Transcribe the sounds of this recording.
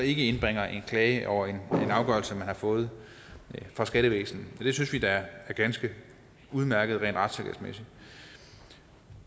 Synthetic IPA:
ɒ̽e̝ɡ̥əe̝nb̥ʁeŋ̰ɐʔe̝nkʰlɛːɪəʔɒʊɐe̝nenɑ̈ʊɡ̥ɶɐlsəmænhɑ̈fɔ̽ːð̞̩ˠ | fʁɑ̈sɡ̥æɾəʋḛːsn̩ɒd̥e̝synsʋid̥ɑæɐɡ̥ænsɡ̥ə | uð̞ˠmæɐɡ̥ð̩ˠʁḛːnd̥ʁɑ̈d̥seɡ̥æ̰smesid̥

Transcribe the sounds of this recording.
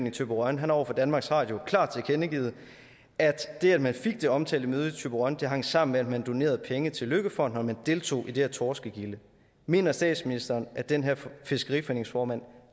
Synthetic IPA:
nit͡sʰøb̥əʁɶnɦænɒʊ̰ɐfɒ̽d̥ænmɑ̈ːɡ̥sʁɑ̰̈ːd̥jo̝kʰlɑ̈ːd̥t͡sʰe̝ɐkʰenəɡ̥ḭːð̩ˠ | ʔæd̥d̥e̝æd̥mænfeɡ̥̚d̥e̝ɒ̽mt͡sʰɛ̰ːld̥əmøð̞̩ˠit͡sʰøb̥əʁɶnd̥e̝ɦɑ̈ŋ̰sɑ̈m̰n̩meæd̥mænd̥o̝ne̝̰ːɐð̩ˠpʰeŋət͡sʰe̝løɡ̥əfɒ̽n̰d̥nɒmænd̥e̝ːlt͡sʰo̝̰ːʔid̥e̝æɐt͡sʰɒːsɡ̥əɡ̥ilə | me̝̰ːnɐsd̥ɛ̰ːd̥sminisd̥ɐːnʔæd̥enɦæɐ̰fe̝sɡ̥əʁḭːfɒḛneŋsfɒːmæn̰

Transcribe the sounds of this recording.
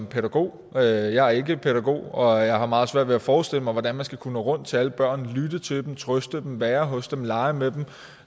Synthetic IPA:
pʰeɾæɡ̥o̝̰ː | øjɑ̈æɐe̝ɡ̥əpʰeɾ̥æɡ̥o̝̰ːɒ̽jɑ̈ɪhɑ̈mɑ̈ːð̞̩ˠsʋæɐ̰d̥ʋe̝æfɒːsd̥e̝l̰əmɑɪʋɒd̥ænmænsɡ̥ækʰunəʁɔ̽n̰d̥t͡sʰe̝æləb̥ɶɐ̰nlyd̥ət͡sʰe̝ld̥em̩t͡sʰʁœsd̥əd̥emʋɛːɐɦɔ̽sd̥emlɑ̈ɪmed̥em

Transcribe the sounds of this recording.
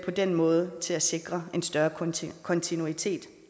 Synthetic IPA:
pʰɒ̽d̥enmɔ̽ːð̞ˠət͡sʰe̝læse̝ɡ̥ʁɐe̝nsd̥ɶːɐkʰɒ̽nt͡sʰinuit͡sʰe̝̰ːd̥

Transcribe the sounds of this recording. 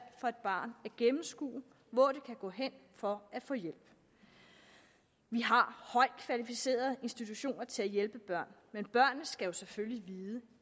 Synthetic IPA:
fɒ̽e̝d̥̚b̥ɑ̈ːnæɐɡ̥emm̩sɡ̥ṵː | ʋɒːd̥e̝kʰæɡ̥ɔ̰̽ːɦen̰fɒ̽æfɔ̽ːjel̰b̥ | ʋiɦɑ̈hɒ̽ɪ̰d̥kʰʋælifise̝̰ːɐð̩ˠe̝nsd̥it͡sʰuɕo̝̰ːnɐt͡sʰe̝æjelb̥əb̥ɶɐ̰nmenb̥ɶɐ̰n̩ːsɡ̥æjo̝sefølliʋiːðˠə

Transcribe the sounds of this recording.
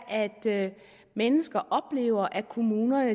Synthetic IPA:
ʔæd̥ | menəsɡ̥ɐʔɒ̽b̥le̝̰ːʊɐʔækʰo̝muːnɐnə

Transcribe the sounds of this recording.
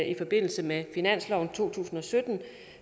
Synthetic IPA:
ʔifɒ̽b̥e̝n̰l̩səmefinæn̰slɒʊn̩t͡sʰo̝̰ːt͡sʰṵːsn̩ɒ̽sød̥n̩

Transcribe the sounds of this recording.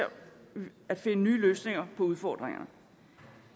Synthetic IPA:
æd̥fe̝nənyːløːsne̝ŋɐpʰɒ̽uð̞ˠfɒ̰ːd̥ʁeŋɐ̰nə

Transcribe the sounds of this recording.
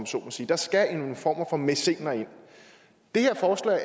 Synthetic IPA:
mso̝̰ːnmɐsiːd̥ɑ̈sɡ̥æenfɒ̰ːmɐfɒ̽me̝se̝ŋ̰nɐe̝n̰ | d̥e̝he̝ɐ̰fɒːslɛ̰ɪ

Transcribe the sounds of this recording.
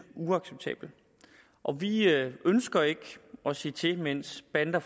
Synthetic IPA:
uɑ̈ɡ̥seb̥̚t͡sʰɛ̰ːb̥l̩ | ʔɒ̽ʋiʔønsɡ̥ɐe̝ɡ̥ɒ̽se̝̰ːt͡sʰe̝men̰sb̥ænd̥ɐf

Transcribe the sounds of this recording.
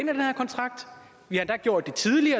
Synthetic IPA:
enæd̥enhæɐkʰɒnt͡sʰʁɑ̈ɡ̥̚d̥ | ʋihæhænd̥æɡ̥jo̝ɐ̰d̥ːe̝t͡sʰiðˠliɐ

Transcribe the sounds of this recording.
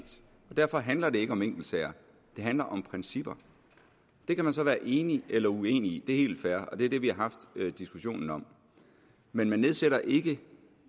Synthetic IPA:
d̥ | ɒ̽d̥æɐfɒ̽ɦænlɐd̥e̝e̝ɡ̥əɒ̽meŋ̰ɡ̥l̩d̥sɛɐ | d̥e̝ɦænlɐʔɒ̽mpʰʁɛnsib̥ɐ | d̥e̝kʰæmænsɒ̽ʋæːɐʔe̝ːniʔelɐue̝̰ːnid̥e̝æɐhe̝̰ːld̥fæɐʔɒ̽d̥e̝æɐd̥e̝ʋihɑ̈ɦɑ̈fd̥d̥isɡ̥uɕo̝̰ːnn̩ɒ̽m | menmænːeðˠseɾɐʔe̝ɡ̥ə

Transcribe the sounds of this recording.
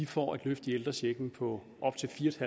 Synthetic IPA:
ifɒ̰ːæd̥løfd̥ield̥ʁɐɕeɡ̥n̩pʰɒ̽ | ʔɒ̽b̥̚t͡sʰe̝lfiːɐd̥hæ

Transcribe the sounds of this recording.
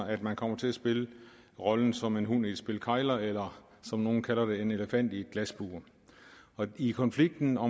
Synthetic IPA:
æd̥mænkʰɒ̽m̰ɐt͡sʰe̝æsb̥e̝lə | ʁɒ̽ln̩sɒ̽me̝nɦun̰id̥sb̥e̝lkʰɑ̈ɪlɐelɐ | sɒ̽mno̝ːn̩kʰælɐd̥e̝e̝ne̝ləfæn̰d̥ie̝d̥̚ɡ̥læsb̥uːɐ | ɒ̽ikʰɒ̽nfliɡ̥̚d̥n̩ɒ̽

